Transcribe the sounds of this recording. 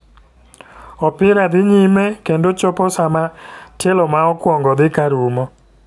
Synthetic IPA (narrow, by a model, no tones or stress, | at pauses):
ɔpɪɾad̪ɪɲimɛkendot͡ʃɔpɔsamatelɔmaɔkwɔŋɡɔd̪ɪkaɾumɔ